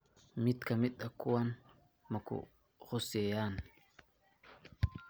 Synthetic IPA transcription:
mɪt̪kɐmɪt̪ːɐkːʊwɐn | mɐkʊ̰ | xʊsɛjaːn

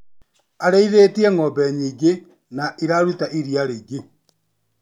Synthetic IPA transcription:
aɾeiðetiɛŋɔbɛɲiːɡe | naʔiɾaɾwutaʔiɾiaɾeɡe

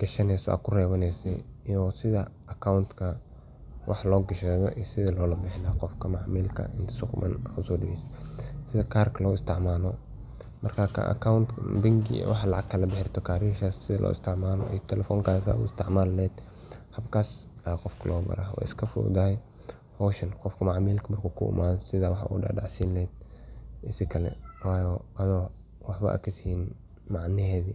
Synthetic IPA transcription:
ɡ̥ɐʃɐnɛsɔ̰ʔa̰ːkʰʊrɛːβɐnɛsɛjijɔsɪðɐ | ɐkʰaʊnt̪kʰɐ | wʔɑ̰ħlɔːɡɐʃɛːɣɔ̰ʔiːsɪðɐlɔːlɐbɪħɪnaːqɔfkʰɐmɑʕmiːlkʰɐ̰ɪnt̪ʰɐ̥sʊqmɐ̰nħʊsʊdɛssɪðɐkʰaːrkʰɐlɔːɪst̪ʰɪʕmaːlɔ | mɐrkʰakʰa̰ʔɐ̰kʰawnt̪bɪŋɡḭwɑħɑlɑʕɑɡkʰɐlɐbɪħɪrt̪ʰɔkʰaːɾiːʃaːsːɪðɐlʔɔ̰ːɪ̰st̪ʰɪʕmaːlɔ̰ʔḭjt̪ʰɛlɛfɔːŋkʰaːsa̰ːʊɪst̪ʰɪʕmaːllɛːd̪ | hɐbkʰaːs | qɔfkʰɐlʔɔːbɐ̰ɾawa̰ːɪskʰɐfṵːd̪aːj | hɔːʃɐnqɔfkʰɐmaʕmiːlkʰɐmɐrkʰuːkʰʊʊ̰mʔaːðsɪðɐwɑħɑ̰ʔṵːɖɑ̰ːɖɑʕsiːnlɛːd̪̚ʔɪsɪkʰɐlɛ̰waːjɔʔɐðɔ | wɑħbɐ̰ʔa̰kʰɐsiin | mɑʕnɪhɛːði

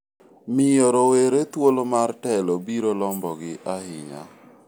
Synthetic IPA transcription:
mɪjoɾoweɾet̪wolomartɛlobiɾolɔmbɔɡɪʔahɪɲa̰

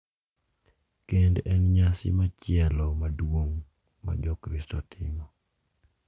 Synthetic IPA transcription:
kendɛnɲasɪ̰mat͡ʃɪɛlɔmadwoŋ | ma̰d͡ʒɔkɾɪstɔtʰɪmɔ

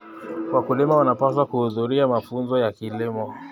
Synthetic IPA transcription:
kwakulimawanapas̬wakuhuðuɾiamafunzɔjakilimɔ

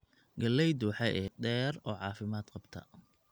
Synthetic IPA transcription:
ɡɐlɛjd̪uːħɛʔɛːɖɛːɾɔːʕɑːfɪmaːd̪̥qɑbt̪ʰɐ̰

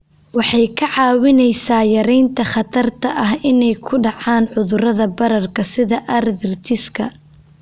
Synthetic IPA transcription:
wɑħɑjkʰɐʕɑːwɪnɛjsaːjɐɾɛjnt̪ʰɐχɑt̪ʰɐrt̪ʰɐʔɐɦɪnɛjkʰʊɖɑʕaːnʕʊðʊɾɐðɐbɐɾɐrkʰɐsɪðɐʔɐrðɪrt̪ʰɪskʰɐ

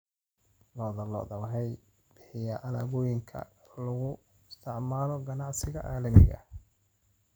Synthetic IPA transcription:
lɔːðɐlɔ̰ːðɐwɦɛj | b̥ɪħɪjɐʔɐlaːβɔːjɪŋkʰɐ̰lɐɣʊ | ɪst̪ʰɪʕmaːlɔɡɐnɑʕsɪɣɐ̰ʔaːlɐmɪ̰ɣɐ̰

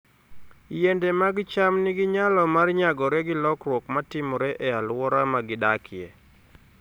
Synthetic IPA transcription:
jɛndɛmaɡɪt͡ʃamnɪɡɪɲalɔmarɲaɡɔɾɛɡɪlɔkrwɔkmatɪmɔɾɛʔɛalwɔɾamaɡɪdakʰɪɛ̰

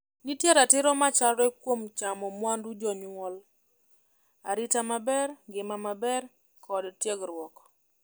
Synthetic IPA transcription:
nitjeɾatɪɾɔmat͡ʃalɾɛkwomt͡ʃamɔmwandud͡ʒɔɲiwɔl | aɾitamabɛrɡɪmamabɛr | kɔdtjeɡɾwɔk

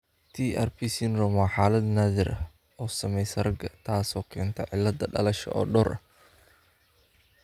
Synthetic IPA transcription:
t̪ʰiːʔɛrpʰisɪnrɔmaħaːlɐd̪naːðɪɾʔɐ | ɔːsɐmɛjsɐɾɐɡɐt̪ʰaːsɔːkʰɛːnt̪ʰɐʕɪ̰lːɐd̪ɐɖɐ̰lɐʃɐ̰ʔɔ̰ːɖɔːɾʔɐ̰

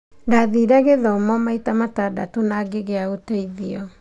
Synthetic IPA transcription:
daðiɾaɣeðɔmɔmaitamatada̰tonaɡeɣeaotaiðiɔ

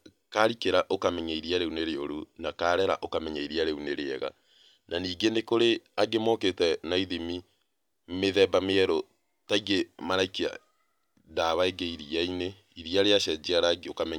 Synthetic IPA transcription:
kaɾikeɾaʔokamɛɲaiɾiaɾeuneɾeo̰ɾunakaːɾɛɾa̰ʔokamɛɲaiɾiaɾeuneɾeɛɣa̰ | naniːɡenekoɾeaɡemoketɛnaiðimi | meðɛbameɛɾo | taiɣemaɾaikia̰ | daβaeɡeiɾiaine | iɾiaɾeaʃɛd͡ʒiaɾaɡeokamɛɲ

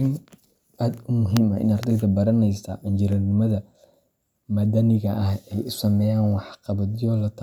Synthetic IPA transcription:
ɪn | aːd̪ʊmʊɦimɐ̰ʔɪ̰nɐrd̪ɪd̪ɐbɐɾɐnɛjsɐʔɪɲd͡ʒɪɾɐrnɪmɐðɐ | mɐd̪ɐnɪɣɐʔɐhɛjʊsɐmɛːjaːnwɑħqɑβɐd̪jɔlɐt̪ʰ

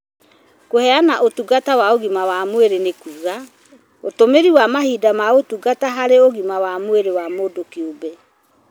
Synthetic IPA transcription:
kohɛanaʔotuɡatawaoɣimawamweɾenekuːɣa | otomeɾiwamaɦiːdamaotuɡataɦaɾeoɣimawamoeɾewamodokiobɛ

